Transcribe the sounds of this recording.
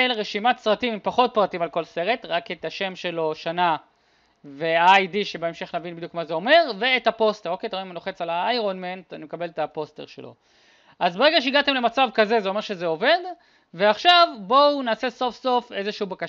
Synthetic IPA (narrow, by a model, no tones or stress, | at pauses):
elʁeʃimatsʁatimimpaχo̞t̚pʁatimalko̞lse̞ʁe̞tʁaketaʃe̞mʃe̞lo̞ʃana | veaajdiʃe̞beemʃe̞χnavinbid̪jukmazeo̞me̞ʁveːthapo̞ste̞ʁo̞kejtaeimanoχe̞t͡salaajʁonmentanimekabe̞letapo̞steʁʃḛlo̰ | ʔazbeeɡaʃeiɡate̞mle̞mat͡savkaze̞zeo̞me̞ʁʃezeo̞ve̞d̪ | ve̞aχʃavbo̞unaːse̞so̞fso̞fe̞zeʃuubaka